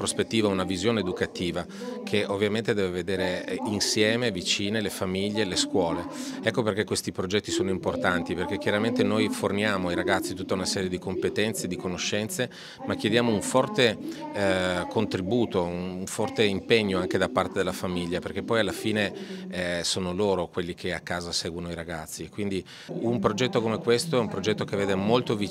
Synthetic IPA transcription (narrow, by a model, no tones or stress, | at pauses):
pɾospet̪ːiːvaunavizjoːneːd̪ukat̪iːva | kʰeʔovːjament̪ed̪ɛːveved̪eːɾeinsjɛːmevit͡ʃiːnelefamiʎːeleskwɔːleɛkːoperk̟ekːwest̪ipɾod͡ʒɛt̪ːisoːnoimport̪ant̪iperkekːjaɾament̪enojfornjaːmoajɾaɡat̪sːit̪ut̪ːaunasɛːɾjed̪ikompet̪ɛnt̪sed̪ikonoʃːɛnt̪se | mak̟ːjed̪jaːmouɱfɔrt̪e | kont̪ɾibuːt̪ounuɱfɔrt̪eimpeɲːoaŋked̪apːart̪ed̪elafamiʎːaperkepːɔjalːafiːneɛsoːnoloːɾokwelːikʰeakːaːzasɛːɡwonoiɾaɡat̪sːikwind̪i | umpɾod͡ʒɛt̪ːokomekwest̪oɛumpɾod͡ʒɛt̪ːok̟evːeːd̪emolt̪ovi